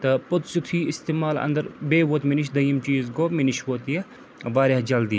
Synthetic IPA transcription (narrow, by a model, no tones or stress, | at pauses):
t̪ɐpot̪sut̪ʰiːist̪eːmaːlɐ̰nd̪ɐɾbeːʋot̪miniʃ̬d̪ɐjimt͡ʃiːzɡoːminiʃʋot̪je | ʋaːɾed͡ʒɐld̪i